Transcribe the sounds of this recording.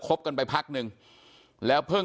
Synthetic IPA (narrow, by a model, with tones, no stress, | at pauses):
kʰo˦˥p̚ka˧npa˧jpʰa˦˥k̚nɯ˨˧ŋ | lɛː˦˥wpʰɯ˥˩